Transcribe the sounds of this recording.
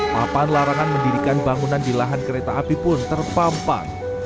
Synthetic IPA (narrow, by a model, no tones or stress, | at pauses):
papanlaɾaŋanməndiɾikanbaŋunandilaɦankəɾet̪aʔːpipʊnt̪ərpampa̰n